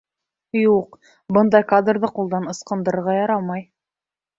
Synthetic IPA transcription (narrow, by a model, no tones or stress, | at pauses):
juq | bɤnd̪ɑjkad̪rðɤqulˠd̪ɑnɤ̆sqɤ̆nd̪ɤ̆ɾɤ̆ɾʁɑjɑɾɑmɑj